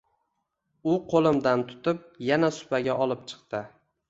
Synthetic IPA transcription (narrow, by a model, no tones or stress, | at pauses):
ʊqʰolˠɪmd̪ant̪ʰʊ̥t̪ɪp̚janasʊ̥paɡʲaʔɒlˠɪp̚t͡ʃʰɨ̥qt̪ɪ